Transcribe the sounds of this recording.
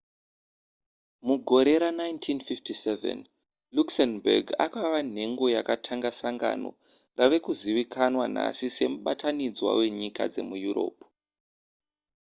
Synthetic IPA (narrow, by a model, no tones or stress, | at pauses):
muɡʱo̞ɾe̞ɾanajntʰinfiftisevḛn | luksenberɡa̰kaʋan̤e̞ŋɡo̞jakatʰaŋɡasaŋɡa̰no̞̰ | raʋe̞kuziʋikʰanwan̤a̰sise̞muɓatʰanid͡zwa̰we̞ɲika̰d͡ze̞̰mujuɾo̞̰ːp